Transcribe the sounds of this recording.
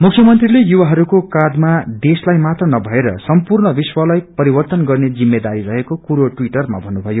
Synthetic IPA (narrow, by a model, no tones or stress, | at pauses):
mukʰjʌmʌnt̪rilejuwaɦʌɾukokad̪mad̪eslajmat̪rʌnʌbʱʌeɾʌ̰sʌmpurnʌbiswʌlʌjpʌɾibʌrt̪ʌnɡʌrned͡zimːed̪aɾiɾʌɦekokuɾoʈwiʈʌrma̰bʱʌnːubʱʌjo